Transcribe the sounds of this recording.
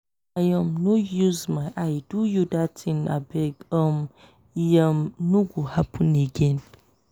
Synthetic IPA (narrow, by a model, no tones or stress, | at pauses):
ajəmnujuzmajʔajdujudatʰĩna̰bɛɡəm | jamnũɡuhapʰə̃neɡẽn